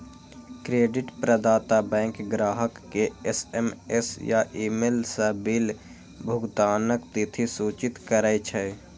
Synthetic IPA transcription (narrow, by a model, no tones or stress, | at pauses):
kɾeːɖɪʈpɾəd̪aːt̪abɛ̃ːŋkɡɾaːɦəkːeesemesja̰ʔiːmelsəbil | bʱʊɡt̪aːnəkt̪it̪ʰisuːt͡ʃɪt̪kəɾəjt͡ʃʰɛ